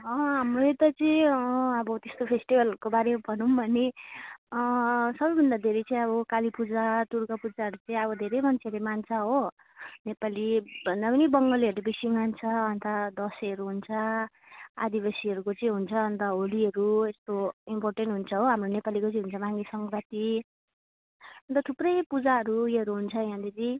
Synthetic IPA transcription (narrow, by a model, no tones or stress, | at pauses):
ɦʌ̃ɦamroet̪at͡sʌĩʌbʌt̪est̪opʰesʈibʱʌlʌkobaɾemabʱʌnumbʱʌne | sʌbʌjbʱʌnd̪ad̪ʱeɾʌjt͡sʌ̃ĩʌbʌkalipud͡zat̪uɾkapud͡zaɦʌɾut͡sʌĩʌbʌd̪ʱeɾʌjmant͡sʰeʌɾemant͡sʰaɦo | nepalibʱʌnd̪apʌnibʌŋɡʌliɦʌɾɾebisiŋmant͡sʰʌːnt̪ʌd̪ʌsʌɾuɦunt͡sʰʌ | a̰d̪ibasiʌɾukot͡sʌĩɦunt͡sʰʌːnt̪ʌɦoliɦʌɾuest̪oimporʈeɳʈɦunt͡sʰʌɦoɦamronepalikot͡sĩiɦunt͡sʰʌbãŋɡisʌŋɾat̪i | ʌnt̪ʌt̪ʰuprʌjpud͡zaɦʌɾujeɦʌɾuɦunt͡sʰʌjãd̪iɾi